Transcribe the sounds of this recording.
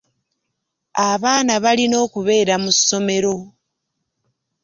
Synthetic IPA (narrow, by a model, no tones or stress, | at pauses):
aβaːnaβalino̞ːkuβe̞ːɾamusːo̞me̞ɾo̞